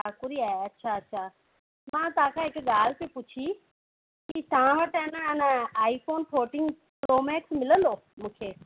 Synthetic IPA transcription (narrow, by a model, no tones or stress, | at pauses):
aːkʊɾiaːeɐtːʃʰaɐtːʃʰa | mãːt̪ɐʋãkʰãːɦɪkɠaːl̤t̪epʊt͡ɕʰi | kit̪ɐɦãʋɐʈɐnɛnəaːifʰoːnʈʰoːʈɪ̃ŋɡ | pɾoːmɛːksmɪlənd̪oːmũːkʰeː